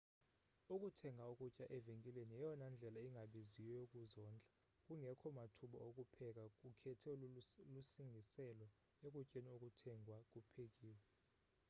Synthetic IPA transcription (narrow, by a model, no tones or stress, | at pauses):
ukʼutʰɛŋʱaokʼucʼaʔɛveŋkʼilenijɛjɔnand͡ɮʱɛlaiŋʱaɓiziwɛjok̬ʼuzɔːnd͡ɮʱa | kʼuŋɛkʰɔmatʰuɓɔ̰ok̬ʼupʰɛk̬ak̬ʼukʰɛtʰɛlusiŋɡʱisɛlɔ | ek̬ʼucʼeniok̬ʼutʰɛŋʱwak̬ʼupʰek̬ʼiːwɛ